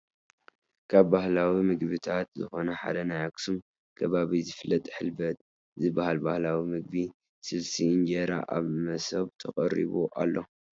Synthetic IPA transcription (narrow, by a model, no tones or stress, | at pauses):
kʰaβːahlawimɨɡβɨt̪ʰat̪zɨxo̞nɐħa̰d̪ɐnajaksum | kʰɐβaβizɨfɨlːɐt̪ʼħɨlbɐt̪̚ | zɨbːahalbahlawimɨɡ̚bi | sɨlsiːnd͡ʒeɾa̰ʔa̰βmɐsɐβt̪ʰɐχʼɐɾḭβuʔa̰lːo̞